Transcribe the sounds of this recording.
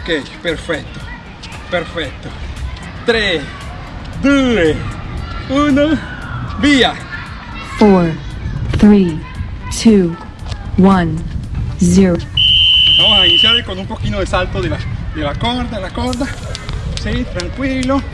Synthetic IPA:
okejpeɾfek̚t̪o̥ | peɾfek̚t̪o | t̪ɾes | d̪ue | uno | bia | foɾɹθɾi | tʰu | wãn | ziɾoesbamosainisjaɾlekonumpokinoðesalt̪oðelad̪elakoɾd̪alakoɾd̪a | sit̪ɾaŋkwilo

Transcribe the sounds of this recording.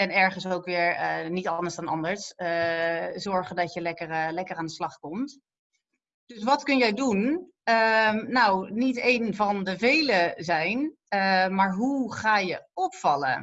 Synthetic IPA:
ɛnɛɹχənsowkʋɪːɹənitɑndəɹzdɑnɑ̰ndəɹsəzɔɹχəndɑtjəlɛkərlɛkəraːndəslɑχkɔmt | d̥ɵsʋɑtkɵnjɛjdun | ənawnitejnvɑndəvejləzɛjn | əmaːɹɦuχaːjəɔpfɑlə̰

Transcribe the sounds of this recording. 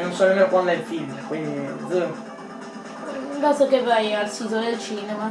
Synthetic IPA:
nonsɔnomɛːnokwand̪oɛlfilkwind̪izə | bɛsokevːajalsiːt̪od̪elt͡ʃiːnɛma

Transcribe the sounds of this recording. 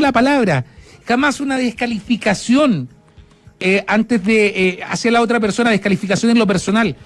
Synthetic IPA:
lapalaβɾaxamasunaðeskalifikasjo̞n | eʔant̪ezðea̰sjalao̞t̪ɾape̞ɾso̞naðehkalifikasjo̞nenlo̞p̬eɾso̞nal

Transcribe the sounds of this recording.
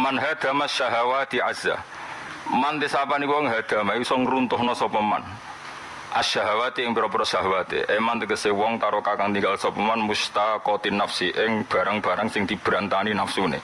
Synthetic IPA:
manɦad̪̥a̤maʃaɦawat̪iʕaz̥a̰ | mant̪ɪsapanikwɔŋɦad̪̥a̤mausɔŋɾunt̪ʊhnɔsɔpəma̰n | ʔaʃaɦawat̪eɪŋpiɾɔpəɾɔʃaɦawat̪ḛʔemant̪əkəsewɔŋt̪aɾokakaŋt̪iŋɡalsɔpəmanmust̪akɔt̪inafsiʔɪŋb̥a̤ɾaŋb̥a̤ɾaŋsɪŋd̪̥i̤b̥ɾant̪aninafsunḛ

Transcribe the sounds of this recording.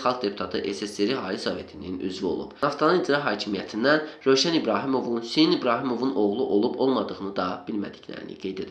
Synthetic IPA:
χɑlˠkd̪e̞pʰut̪ʰɑt̪ʰɯʔe̞seseɾiɦɑːɾisove̞t̪ʰininy̰zvio̞̰lˠṵpɑft̪ʰɑnɯnid͡ʒɾɑɦɑːcʰimijæt̪ʰind̪ænɾø̞jʃænibɾɑːɦimo̞vunsiinibɾɑːɦimo̞vunʔo̞ɣlˠuʔo̞lˠubo̞lˠmɑd̪ɯʁɯnɯd̪ɑb̥ilmæ̰d̪i̥cʰlæ̰ɾḭnḭɡe̞jd̪e̞d̪i

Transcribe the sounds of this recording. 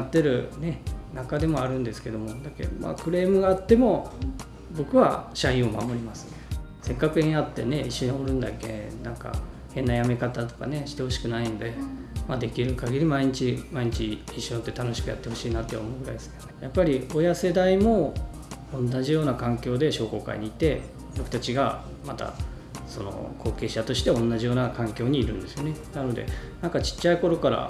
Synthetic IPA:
t̪ːe̞ɾɯ̟ne̞nakad̪e̞mo̞aɾɯ̟̃nd̪e̞sɨ̥ke̞d̪o̞mo̞d̪ake̞̰ma̰ːkɯ̟ɾe̞ːmɯ̟ɡaːt̪ːe̞mo̞ | bo̞kɯ̟βa̰ɕaĩɰ̃o̞ma̰mo̞ɾʲimasɨ̥ne | se̞kːakɯ̟eɲ̃at̪ːe̞̰ne̞iɕːoɲioɾɯ̟̃nd̪a̰kːe̞̰nãŋka̰ | hẽ̞nːajame̞kat̪at̪o̞ka̰ne̞ɕi̥t̪e̞ho̞ɕi̥kɯ̟nainod̪e̞mad̪e̞kʲiɾɯ̟kaɡʲiɾʲimaiɲit͡ɕimaiɲ̟it͡ɕiːɕːõ̞nt̪ːe̞t̪ano̞ɕi̥kɯ̟ja̰t̪ːe̞ho̞ɕiːnat̪ːe̞omo̞ɯɡɯ̟ɾa̰id̪esɨ̥kaejapːaɾʲiojase̞d̪aimo̞ | õnːaʑijo̞ːnakãŋkʲo̞ːd̪e̞ɕo̞ːko̞ːka̰ḭɲ̟iːt̪e̞ | bo̞kɯ̟̥t̪at͡ɕiɡa | mat̪a̰ | so̞̰no̞̰kʰo̞ːke̞ːɕat̪o̞ɕi̥t̪e̞õ̞nːaʑijo̞ːnakãŋkʲo̞ːɲ̟iːɾɯ̟̃nd̪e̞sɨjo̞ne̞nano̞d̪e̞̰nãŋkat͡ɕi̥t͡ɕːaiko̞ɾo̞kaɾa̰

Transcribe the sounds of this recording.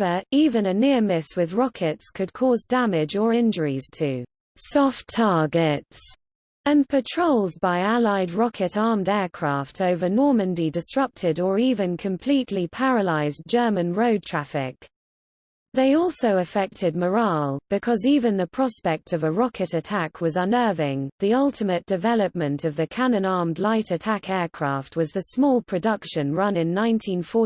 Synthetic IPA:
əiːvə̃nənɪəmɪswɪðɹɒkʰɪtskʰəd̚kʰɔːzdamɪd͡ʒəɹɪ̃nd͡ʒəɹiz̥tʰʉː | sɒftʰɑːɡɪts | ə̃npʰətʰɹ̥oʊlˠzbaɪalaɪdɹɒkʰɪtɑːmdɛːkʰɹ̥ɑˑftʰəʊvənɔːmə̃ndidɪsɹʌp̚tʰɪdəɹiːvə̃nkʰə̃mpʰl̥iˑʔlipʰaɹəlaɪzd͡ʒɜːmə̃nɹəʊd̚tʰɹ̥afɪ̰k̚ | ðeɪɔˑlˠsəʊəfɛk̚tʰɪd̚məɹɑːlˠb̥ɪkʰɒziːvə̃nðəpʰɹ̥ɒspɛk̚tʰəvəɹɒkʰɪtətʰakʰwɒzʌ̃nɜːvɪ̃ŋðiʌlˠtʰɪmət̚d̥ɪvɛləp̚mə̃ntʰəvðəkʰanə̃nɑɹmdˡlaɪtətʰakʰɛːkʰɹ̥ɑˑft̚ʰwɒzðəsmɔːlˠpʰɹ̥ədʌkʃə̃nɹʌ̃nɪ̃nːãɪ̃ntʰĩnfɔˑ

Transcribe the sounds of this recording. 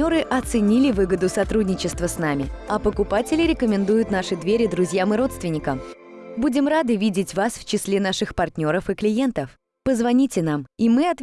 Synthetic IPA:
o̞ɾɨʔɐt̪sɨnʲilʲɪvɨɡəd̪ʊsɐt̪ɾudʲnʲɪt͡ɕɪst̪vəsnamʲɪɐpəkʊpatʲɪlʲɪɾʲɪkəmʲɪnd̪ujʊt̪naʂɨd̪vʲeɾʲɪd̪ɾʊzʲjamɨɾo̞t̪st̪vʲɪnʲɪkəmbudʲɪmɾad̪ɨvʲidʲɪtʲvasft͡ɕɪslʲenaʂɨxpɐrtʲnʲo̞ɾəfɨklʲɪjent̪əf | pəzvɐnʲitʲɪnamimɨɐt̪

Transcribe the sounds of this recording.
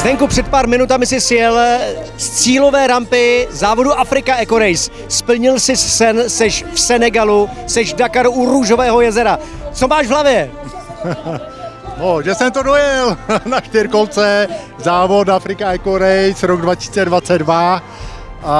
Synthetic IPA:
vɛŋkupr̥ɛt̪̚paːɾmɪnut̪amɪsɪsjɛlst͡siːlo̞vɛːɾampɪzaːvo̞duʔafɾɪkaɛkoɾɛjs | spl̩ɲɪlsɪssɛnsɛʃfsɛnɛɡalu | sɛʃdakaɾuɾuʒo̞vɛːɦo̞jɛzɛɾat͡so̞maːʃvɦlavjɛ | noʒɛsɛmt̪odojɛlnaʃt̪ɪɾkolt͡sɛ | zaːvot̪afɾɪkaɛkoɾɛjsɾoɡdvacɪsiːt͡sɛdvat͡sɛdva | ʔa

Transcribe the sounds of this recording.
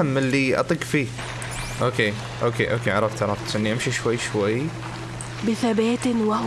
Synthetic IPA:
amːɪlːiʔɑ̰t̪ˤiːɡfiː | ʔoːkʰeː | ʔoːkʰeːʔoːkeːʕɑɾˤɑft̪ʰɑɾˤɑft̪sʔɪnːiʔamʃiʃwajːʃwajː | bɪθabeːt̪wa

